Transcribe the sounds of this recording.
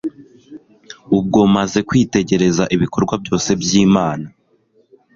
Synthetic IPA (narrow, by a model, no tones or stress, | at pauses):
ub̚ɡo̞maze̞kwiːte̞ɟe̞ɾe̞zaʔiβiko̞ɾɡwabjo̞ːse̞bjiːmaːna